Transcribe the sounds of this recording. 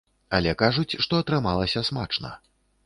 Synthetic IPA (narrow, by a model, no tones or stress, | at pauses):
ɐlʲɛkaʐut͡sʲʂt̪ɔɐt̪ɾɨmalˠɐsʲɐsmat͡ʂnɐ̰